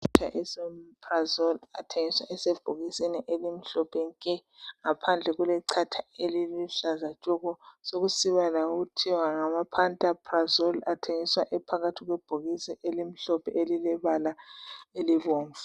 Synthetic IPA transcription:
tʰa̰ʔɛsɛmpʰrazɔlatʰeŋiswa̰ʔɛseb̥ʱuɣisiniʔelim̩ɬɔpʰɛŋkʼɛŋapʰand͡ɮʱɛɣulɛǀʰatʰaeliliɬazḁt͡ʃʼɔɣɔsoɣusiβalaɣutʰiwaŋamapʰantʼapʰʼrazɔlatʰeŋiswaʔɛpʰaɣatʰiɣwɛb̥ʱoɣisiʔelim̩ɬɔpʰɛʔelilɛβalaeliβoːɱvu

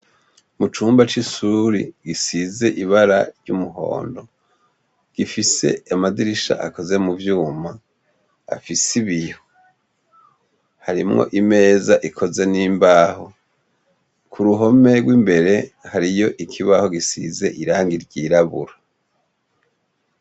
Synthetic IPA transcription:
mut͡ʃuːmbat͡ʃisuɾiɡisize̞ʔiβaɾaɾɟumuɦo̞̰ːndo̞ | ɡ̥ifise̞̰amadiɾiʃa̰ʔako̞ze̞muvjuːma | a̰fisiβijo | haɾimŋo̰ʔime̞ːzaʔikʰo̞ze̞niːmbaːho̞ | kʰuɾuɦo̞me̞ɡwiːmbe̞ɾe̞haɾijo̞ʔikʰiβaho̞ɡisḭze̞ʔiɾaːŋɡiɾɟiːɾaβṵɾa

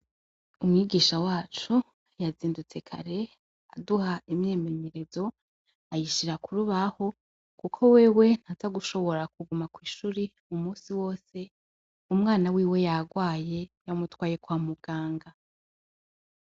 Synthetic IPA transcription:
umŋiːɡiːʃawaːt͡ʃu | jaziːndut͡se̞kʰa̰ɾe̞ | aduhaimje̞ːme̞ɲe̞ɾe̞zo̞ | ajiʃiɾakuɾuβaho̞ | kukʰo̞weːwe̞n̥hatʰaɡuʃo̞βo̞ɾak̚uɡumakwiːʃuɾi | umuːsiwo̞ːse̞ | umŋaːnawiːwe̞jaɡwaːje̞jamutwaːje̞kwaːmuɡ̥aːŋɡa

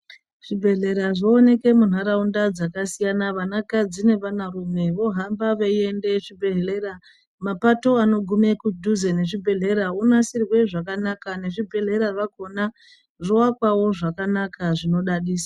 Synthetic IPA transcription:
ʐ̥ibʱe̞ɮe̞ɾaʐoːne̞ke̞mun̤ɦaɾaundad͡zakasijanaʋanakad͡zine̞ʋanarumwe̞ʋo̞ɦambaʋeie̞nde̞ʂibʱe̞ɦere̞ɾa | mapato̞ano̞ɡʱume̞kudʱuzene̞ʐibʱe̞ɮe̞ɾaunasirwe̞ʐakanakane̞ʐibʱe̞ɮe̞ɾaʐaɡʱo̞na | ʐowakwawo̞ʐakanakʰaʐino̞ɗaɗiːsḁ

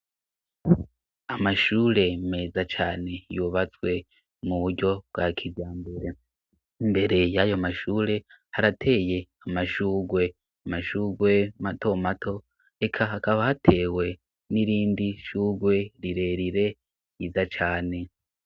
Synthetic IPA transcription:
amaʃuːɾe̞me̞ːzat͡ʃaːne̞juβat͡swe̞ | muβuɾɟo̞b̚ɡakʰibjaːmbe̞ɾe̞ | imbe̞ɾe̞jajo̞maʃuːɾe̞ | haɾatʰe̞ːje̞ | amaʃuːɡwe̞ | amaʃuːɡwe̞mato̞matʰo̞ | e̞kʰahakaβahatʰe̞ːwe̞ | niɾiːndiʃuːɡwe̞ɾiɾe̞ɾiɾe̞ | jizat͡ʃaːne̞

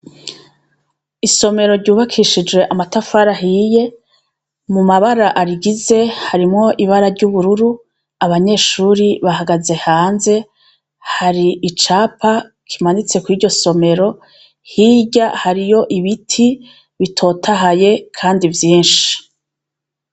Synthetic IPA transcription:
iso̞me̞ɾo̞ɾɟuːβakʰiʃid͡ʒwe̞ʔamatafaɾaɦiːje̞ | mumaβaɾaʔaɾiɡize̞haɾimŋo̞ʔiβaɾaɾɟuːβuɾuɾu | aβaɲe̞ːʃuːɾiβaɦaɡaze̞haːnze̞ | haɾiʔit͡ʃaːpʰa | kʰimanit͡se̞kwiːɾɟo̞so̞me̞ɾo̞ | hiːɟahaɾijo̞ʔiβitʰi | βitʰo̞ːtʰaɦaje̞kʰaːndivjiːnʃi̥

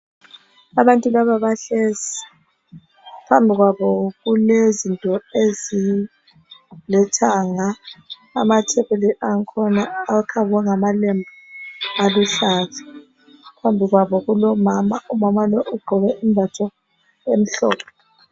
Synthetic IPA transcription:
aβantʼulaβaβaɬezi | pʰambʱiɣwaβɔɣulezintʼɔezi | lɛtʰaŋaː | matʰɛβeliʔaŋkʰɔnaːkʰaβɛŋamalɛmbʱaaluɬaːzḁ | pʰambʱiɣwaβɔɣulɔmamaʔumamaloʔuɡ͡ǃʱɔβɛʔimbʱatʰɔ | em̩ɬɔ̰ːpʰɔ̥

